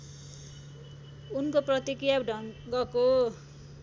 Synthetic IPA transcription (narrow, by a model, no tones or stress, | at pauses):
unkoprʌt̪ikrijaɖʱʌŋɡʌko